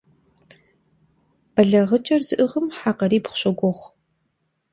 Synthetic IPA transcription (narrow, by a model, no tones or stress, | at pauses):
b̥ɐɮɐʁət͡ʃʼɐrzɨʔɨʁəmħaːqɐɾiːpχʷʊɕʼɐɡʷɔχʷ